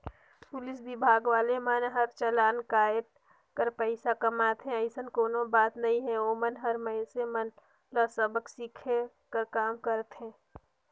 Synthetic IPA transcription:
pʊlɪsbɪbʱaːɡʋaːlemənɦəɾt͡ʃəlaːnkaːɪt̪ | kəɾpəɪsakɐmaːt̪ɦɛ̃əɪsənkoːnõbaːt̪nɐɦĩɦɛ̃oːmənɦəɾməɪnsemən | ləsəbəksikʰe | kəɾkaːmkəɾt̪ɦɛ̃ː

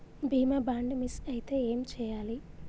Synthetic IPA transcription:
bʱiːmabaːɳɖmisɐjit̪e̞ːeːmt͡ʃɛːjaːli

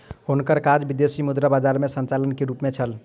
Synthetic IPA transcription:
ɦonkəɾkad͡ʒbid̪esimud̪ɾabad͡ʒaɾmesənt͡ʃalənkeɾupmet͡ʃʰəl

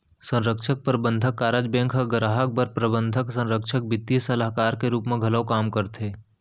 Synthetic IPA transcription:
sə̃nɾəkʃək̚pəɾbə̃nd̪ʱəkːaːɾəd͡ʒbɛ̃ːŋkʰɦəɡəɾaːɦək̚bəɾpɾəbə̃nd̪ʱəksɐ̃nɾəkʃʰək̚bɪt̪ːisɐlaːɦkaːɾkeɾuːpmẽɡʱɐləwkaːmkəɾt̪ʰeː

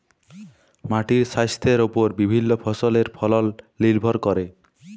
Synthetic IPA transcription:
maʈiɾsajst̪ʰeɾopoɾbibʱinːopʰɔsoleɾpʰɔlɔlː | ilbʱɔɾkɔɾe

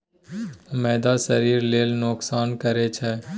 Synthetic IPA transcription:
mɛːd̪asəɾiːɾleːlnoksaːnkəɾet͡ʃʰɛː

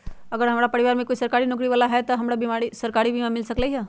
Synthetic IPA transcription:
əɡəɾɦəmɽapəɾiʋaɾmẽkoisəɾkaɾinʊkɾiʋalaɦɛt̪əɦɐmɽabimaɽisəɾkaɾibʱimãmɪlsəkleɦa

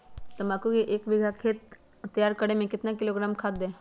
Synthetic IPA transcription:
t̪ɐmaːkukeʔeːkbɪɡʱakʰeːt̪ː | ɐjaːɾkɐɽemẽkɪt̪nakɪloːɡɾaːmkʰat̪̚d̪ẽː

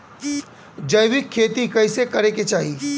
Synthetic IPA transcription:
d͡ʒɐjʋɪkʰːeːt̪ikɐɪsekɐɾeket͡ʃaːɦi

